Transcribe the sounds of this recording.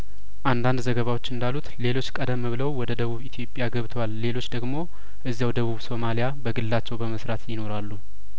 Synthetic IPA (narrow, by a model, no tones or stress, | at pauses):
ʔand̪and̪zəɡəβawo̞t͡ʃːɨnd̪alːut̪le̞lo̞t͡ʃːkʼəd̪əmːɨβɨləwwɔd̪əd̪əβuβit̪ʰjo̞pʼjaɡəβt̪ʰəwalːe̞lo̞t͡ʃːd̪əɡmo̞ | ʔɨzːjawd̪əβuβso̞malijabəɡɨlːat͡ʃːɛwbəməsɾat̪jɪno̞ɾalːu